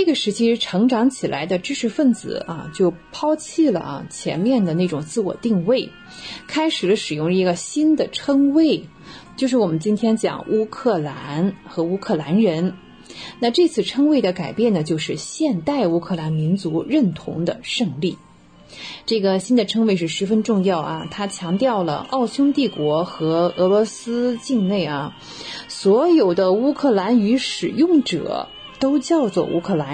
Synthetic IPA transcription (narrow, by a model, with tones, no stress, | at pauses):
ʈ͡ʂɤ˥˩ɡə˩ʂɻ̩˧˥t͡ɕʰi˥˩ʈ͡ʂʰɤ˧˥ŋʈ͡ʂɑ˧˥ŋt͡ɕʰi˨˩lʔa̰˧˥ɪd̪ə˧ʈ͡ʂɻ̩˥ʂɻ̩˥˧fə˥˩nt͡sɹ̩̰˨˩˦ɐ̰˧t͡ɕjo˥˩ʊpʰɑ˥ʊt͡ɕʰi˥˩lə̰˩t͡ɕʰjɛ̰˧˥nmjɛ˥˩nd̪ə˩ne˥˩ʈ͡ʂʊ˨˩ŋt͡sɹ̩˥˩wɔ̰˨˩t̪i˥˧ŋwe˥˩ɪ | kʰa˥ɪʂɻ̩˨˩lə˦ʂɻ̩˨˩jʊ˥˩ŋə˧i˧˥ɡə˧ɕi˥nd̪ə˨ʈ͡ʂʰɤ˥ŋwe˥˩ɪ | t͡ɕjo˥˧ʊʂɻ̩˥˩wɔ˨˩mə˦nt͡ɕi˥nt̪ʰjɛ˥nt͡ɕjɑ̰˨˩ŋʔu˥kʰɤ˥˩la˧˥nxɤ˧˥u˥kʰɤ˥˩la˧˥nɻə˧˥n | na˥˧ʈ͡ʂɤ˥˧t͡sʰɹ̩˥˩ʈ͡ʂʰɤ˥ŋwe˥˩ɪd̪ə˩ka˨˩ɪpjɛ˥˩nə˩t͡ɕjo˥˧ʊʂɻ̩˥˧ɕjɛ˥˧nt̪a˥˩ɪu˥kʰɤ˥˧˩la˧˥nmi˧˥nt͡su˧˥ɻə˥˩nt̪ʰʊ̰˧˥ŋd̪ə̰˧ʂɤ˥˧ŋli˥˩ | ʈ͡ʂɤ˥˩ɡə˩ɕi˥nd̪ə˨ʈ͡ʂʰɤ˥ŋwe˥˧ɪʂɻ̩˥˩ʂɻ̩˧˥fə˥nʈ͡ʂʊ˥˧ŋjɑ˥˩ʊʔɐ̰˩t̪ʰa˥t͡ɕʰjɑ˧˥ŋt̪jɑ˥˩ʊlə̰˩ʔɑ˥˩ʊt͡ɕʰjʊ˥ŋt̪i˥˩kwɔ˧˥xɤ˧˥ɤ˧˥lwɔ˧˥sɹ̩˥t͡ɕi˥˧ŋne˥˩ɪɐ˩ | swɔ˧˥jo˨˩ʊd̪ə˦u˥kʰɤ˥˩la˧˥ny˧˥ʂɻ̩˨˩jʊ˥˩ŋʈ͡ʂɤ̰˨˩˦ | t̪o˥ʊt͡ɕjɑ˥˧ʊt͡swɔ̰˥˩ʔṵ˥kʰɤ˥˩la˧˥n